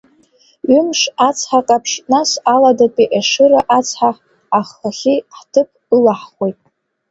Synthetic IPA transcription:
ɥʏmʂat͡sʰħaqʼapʰʂnasaladapʼiʔaʂɨɾaʔat͡sʰħa | aχaχʲiħtʰɨpʰɨlaħχʷijtʼ

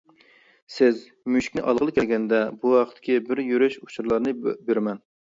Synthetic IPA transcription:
sɪz | myʃi̥kʲnɪʔɑlˠʁəlˠɨkʲʰɛlɡʲɛnd̪ɛbuɑqʰət̪ʰːɪ̥kʲʰibɪɾjyɾyʃut͡ʃʰuɾlˠɑɾnɨbeɾmɛn

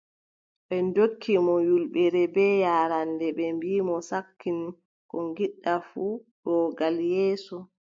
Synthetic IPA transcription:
ɓɛndokʰːimɔjulɓɛɾɛbɛjaːɾandɛɓɛmbiːmɔsakːin | kɔŋɡiɗːafuɗɔɡaljɛːsɔ

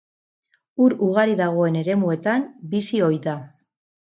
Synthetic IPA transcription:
uɾuɣ̞aɾiðaɣ̞o̞e̞ne̞ɾe̞mue̞t̪ambisio̞jða

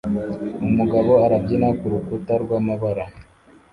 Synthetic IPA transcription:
umuɡaβo̞aɾab̚ɟinakuɾukutaɾɡwaːmaβaɾa

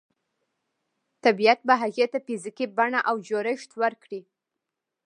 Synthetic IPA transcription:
t̪abijat̪̚baɦaɣet̪apizikibaɳaʔawd͡ʒoɾɪʃt̪wəɾkɽi

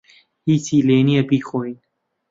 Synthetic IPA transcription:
hiːsiːleːniɛbiːxoːin

